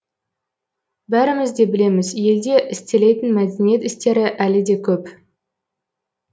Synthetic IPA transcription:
bæɾɪmɪzd̪e̞bɪle̞mɪzje̞ld̪e̞ʔɪst̪e̞le̞jt̪ɪnmæd̪ʲenije̞t̪ɪst̪e̞ɾɪʔælɪd̪e̞kʲʰɵp

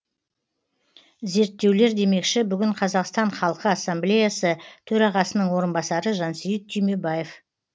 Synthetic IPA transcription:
ze̞ɾt̪ːe̞wle̞ɾd̪e̞me̞kʃɪbʏɡʲɪɴqʰɑzɑqst̪ɑɴχɑlˠqəɑsːamblʲe̞jasət̪ʰɵɾɑʁɑsənəɴwo̞ɾənbɑsɑɾəʒɑnsijət̪̚ʰːyjme̞baje̞f

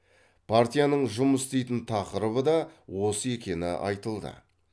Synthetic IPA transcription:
pʰart̪ijanəɴʒʊməsɪst̪e̞jt̪ɪnt̪ʰɑqəɾəβəd̪ɑwo̞səe̞kʲe̞nɪ̰ʔɑ̰jt̪əlˠd̪ə̰

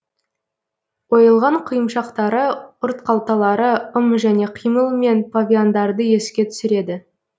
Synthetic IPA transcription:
wo̞jəlˠʁɑɴqʰijəmʃɑqt̪ɑɾəʊɾt̪qʰɑlˠt̪ɑlˠɑɾəʊmʒæne̞qʰijməlˠme̞npʰavʲiond̪ɑɾd̪əje̞skʲe̞t̪ʰʏ̥sɪɾe̞d̪ɪ

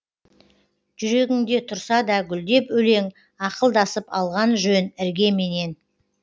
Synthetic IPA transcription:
ʒ̥ʏɾe̞ɡʲɪŋd̪e̞t̪ʰʊɾsɑd̪ɑɡʲʏld̪e̞pɵle̞ŋ | ɑqəlˠd̪ɑsəpɑlˠʁɑnʒønɪɾɡʲe̞me̞ne̞n

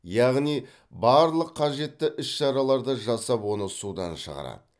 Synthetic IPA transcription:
jɑʁnij | bɑɾlˠəqʰːɑʒe̞t̪ːɪʔʏsʃɑɾɑlˠɑɾd̪əʒɑsɑpwo̞nəsud̪ɑ̰nʃə̰ʁɑ̰ɾɑ̰d̪ə

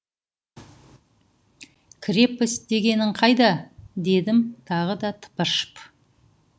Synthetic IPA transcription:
kʲʰɪɾe̞pɪsd̪e̞ɡʲe̞nɪɴqʰɑjd̪ɑd̪e̞d̪ɪmt̪ʰɑʁəd̪ɑt̪ʰə̥pəʃə̥p

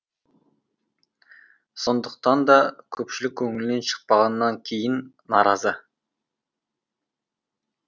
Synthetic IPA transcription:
so̞nd̪əq̚t̪ɑnd̪ɑkʲʰɵpʃɪlɪk̚ʲkʲʰɵŋɪlɪne̞nʃə̥q̚pɑʁɑnəːɑŋkʲʰe̞jɪnː | ɑɾɑzə

